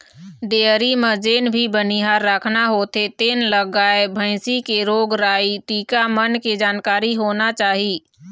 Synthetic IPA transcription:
ɖeːɾiməd͡ʒeːnbʱibəniɦaːɾːakʰnaɦot̪ʰet̪eːnləɡaːebʱə̃ɪsikeɾoːɡɾaːiʈ̪iːkamənked͡ʒaːnkaːɾiɦoːnat͡ʃaːɦiː

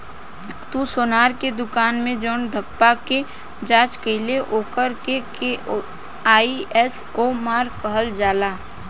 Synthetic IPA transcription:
t̪usoːnaːɾked̪ʊkaːnmẽd͡ʒoːnɖʱəpːake | d͡ʒaːt͡ʃkəɪleʔoːkəɾkeke | aːiɛs | omaːɾkəɦəld͡ʒaːlaː

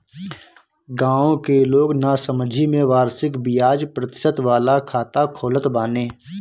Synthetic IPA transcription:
ɡãːõkeloːɡnasəmd͡ʒʱimẽʋaːɾsɪkbɪjaːd͡ʒpɾət̪ɪ̥sət̪ʋaːlakʰaːt̪akʰoːlət̪baːneː

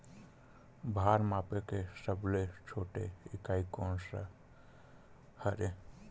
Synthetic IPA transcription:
bʱaːɾmaːpekesəblet͡ʃʰoːʈḛɪkaːikoːnsa̰ | həɾe

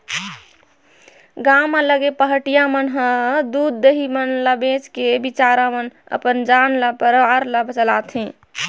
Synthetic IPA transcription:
ɡamaləɡepəɦəʈijamənɦəd̪ud̪̚ːeɦimənləbet͡ʃkebit͡ʃaɾamənə̰pənd͡ʒanlapəɾʋaɾləbʱt͡ʃəlat̪ɦẽ

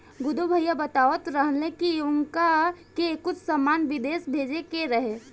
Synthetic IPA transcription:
ɡʊd̪ubʱəjabət̪aːʋət̪ɾəɦəlẽkiʊŋkakekːʊt͡ʃʰsamːaːnʋɪd̪eːsbʱeːd͡ʒekeɾɐɦeː

